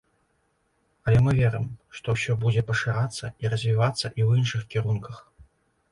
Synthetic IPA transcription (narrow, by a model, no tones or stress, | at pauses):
ɐlʲɛmɨvʲɛɾɨmʂt̪ɔwsʲɔbud͡zʲɛpɐʂɨɾat̪sːɐiɾɐzʲvʲivat̪sːɐʔiwinʂɨxkʲiɾunkɐx